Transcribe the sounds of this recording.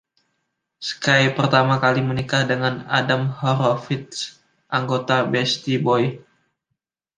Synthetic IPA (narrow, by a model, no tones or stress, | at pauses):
sə̥kajpərt̪amakalimənikahdəŋana̰damhɔɾofit̪̚s | ʔaŋɡot̪abɛst̪ibɔj